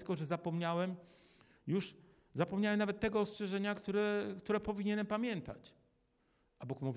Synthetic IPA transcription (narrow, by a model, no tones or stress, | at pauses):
kɔʐɛzapɔmɲawɛm | juʂ | zapɔmɲawɛmnavɛt̪ːɛɡɔːstʂɛʐɛɲakt̪uɾɛkt̪uɾɛpɔvʲiɲɛnɛmpamʲjɛnt̪a̰t͡ɕ | ʔabukmuvʲ